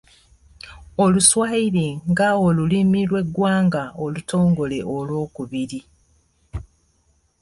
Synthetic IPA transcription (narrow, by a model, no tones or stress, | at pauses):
o̞luswaiɾiŋɡaolulimilwe̞ɡwaːŋɡaolutʰo̞ːŋɡo̞le̞ʔolwo̞ːkuβiɾi